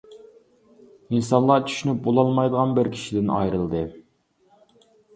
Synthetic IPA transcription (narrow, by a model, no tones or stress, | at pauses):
insɑnlˠɑt͡ʃʰy̥ʃynyp̚bolˠɑlˠmɑjd̪əʁɑnbɪɾkʲʰi̥ʃid̪ɪnɑ̰jɾɨlˠd̪ɨ